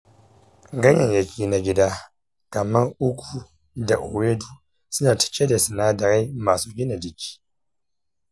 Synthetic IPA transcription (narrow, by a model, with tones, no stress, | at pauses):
ɡa˦ɲa˨nja˨kʲi˦na˨ɡʲi˦da˦ | ka˨ma˦u˦kʷu˦ | da˨ʔo˨we˦du˦ | sɨ˦na˨ti̥˨t͡ʃɛ˦da˨si˨naː˦da˨ɣa˦i˦maː˨so˨ɡi˦na˨di˨ki̥˦